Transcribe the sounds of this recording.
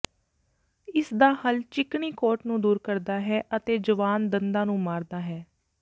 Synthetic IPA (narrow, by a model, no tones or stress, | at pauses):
ɪsd̪aːhəlt͡ʃɪkɳiːkoːʈnũːd̪uːɾkəɾd̪aːɦɛːʔət̪eːd͡ʒəʋaːnd̪ənd̪ãːnũːmaːɾd̪aːɦɛː